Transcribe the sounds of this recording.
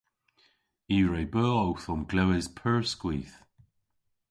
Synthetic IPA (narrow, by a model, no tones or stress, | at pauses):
iːɹejbəːowθɔmɡ̥lɛwɪzpʰɜɹskwḭːθ